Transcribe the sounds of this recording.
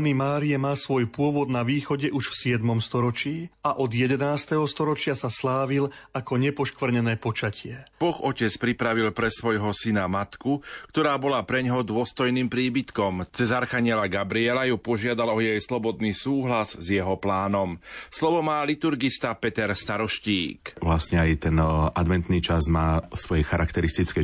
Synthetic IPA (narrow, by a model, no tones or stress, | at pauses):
nimaːɾiɛmaːsʋɔjpʊɔʋɔd̪naʋiːxɔɟɛʔuʃfsɪɛd̪mɔmst̪ɔɾɔt͡ʃiːaʔɔd̪jɛd̪ɛnaːst̪ɛɦɔst̪ɔɾɔt͡ʃɪasaslaːʋilakɔɲɛpɔʃkʋr̩ɲɛnɛːpɔt͡ʃacʰɪɛb̥ɔxɔcɛt͡spɾipɾaʋilpɾɛsʋɔjɦɔsinamat̪kukt̪ɔɾaːbɔlapɾɛɲɦɔd̪ʊɔst̪ɔjniːmpɾiːbit̪kɔmt͡sɛzaɾxaɲɪɛlaɡabɾiɛlajupɔʒɪad̪alɔjɛjslɔbɔd̪niːsuːɦlazzjɛɦɔplaːnɔmslɔʋɔmaːlit̪uɾɡist̪apɛt̪ɛɾst̪aɾɔʃcḭːkʋlastɲɛajt̪ɛnʔad̪ʋɛnt̪niːt͡ʃazmaːsʋɔjɛxaɾakt̪ɛɾist̪it͡skɛ